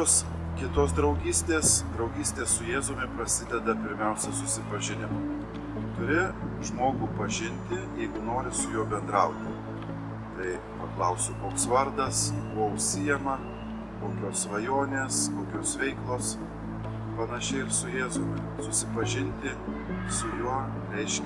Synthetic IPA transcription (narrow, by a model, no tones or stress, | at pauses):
oːs | kʲɪt̪oːs̬d̪ɾɐʊɡʲiːsʲt̪ʲeːsd̪ɾɐʊɡʲiːsʲt̪ʲeːssʊjeːzomʲɪpɾɐsʲɪd̪ʲɛd̪ɐpʲɪɾʲmʲɛʊsʲɛsʊsʲɪpɐʒʲɪnʲɪmɐ | t̪ʊɾʲɪʒmoːɡuːpɐʒʲɪnʲt̪ʲɪjɛɪɡʊnoːɾʲɪsʊjuːbʲɛnd̪ɾɐʊt̪ʲɪ | t̪ɐɪ | pɐklˠɐʊsʲʊkoːksʋɐɾd̪ɐsbʊʋoʊʃʲsʲɪjɛmɐ | koːkʲoːsʋɐjoːnʲeːskoːkʲoːsʋʲɛɪklˠoːs | pɐnɐʃʲɛɪɪɾsʊjeːzomʲɪ | sʊsʲɪpɐʒʲɪnʲt̪ʲɪ | sʊjuɔ | ɾʲɛɪʃʲ